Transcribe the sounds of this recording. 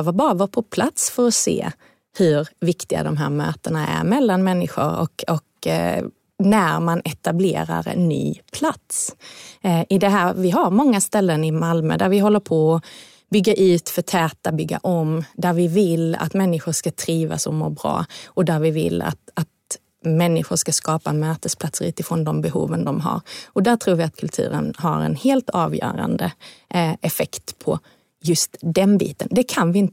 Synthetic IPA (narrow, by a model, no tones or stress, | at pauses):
vabɑːɾavɑpʰɔpʰlat̪sfœɾɔsḛː | hɵɾvɪkt̪ɪɡa̰d̪ɔmɦæ̰ːɾmø̰ːt̪əɳaæ̰ɾmɛlːanmɛnːɪɧʊ̰ɾɔ̰kɔk | næɾmanɛt̪ablḛːɾa̰ɾɛ̰nːy̰ːpʰlat̪s | ʔɪd̪ɛɦæːɾvɪɦaɾmɔŋːast̪ɛlːənɪmalmə̰d̪æɾvɪɦɔlːəɾpʰɔɔ | bʏɡːaʔʉ̟ːt̪fœt̪ʰɛːt̪abʏɡːa̰ʔɔmd̪æɾvɪvɪla̰t̪mɛnːɪɧʊʂkat̪ʰɾiːva̰sɔmmoːɾbɾɑ̰ːɔd̪æɾvɪvɪ̰lːa̰t̪at̪ | mɛnːɪɧʊɾʂkaskɑːpaɛnmœːt̪əspʰlat̪sɾʉ̰ːt̪ɪfɾɔnd̪ɔmbɛɦṵːvənd̪ɔmɦa̰ɾɔd̪æɾt̪ʰɾuːɾvɪat̪̚kʰɵlt̪ʰʉ̟̰ːɾə̰nha̰ɾɛ̰nheːlt̪ɑːvjœ̰ːɾa̰nd̪ə | ɛfɛkt̪pʰɔ̰ | jɵst̪d̪ɛnbḭːt̪ənd̪ɛkʰanvɪɪnt̪